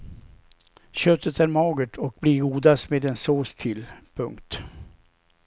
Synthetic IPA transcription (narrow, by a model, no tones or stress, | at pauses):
ɕœt̪ːət̪æɾmɑːɡəʈʰɔk̚bliːɡuːd̪asmeːd̪ɛnsoːst̪ʰɪlpʰɵŋkt̪